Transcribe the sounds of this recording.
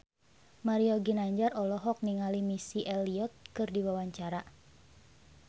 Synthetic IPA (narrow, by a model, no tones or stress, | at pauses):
maɾiɔɡinaɲd͡ʒarɔlɔɦɔk̚niŋalimisiʔɛliɔt̪̚kɨrdiwawaɲt͡ʃaɾa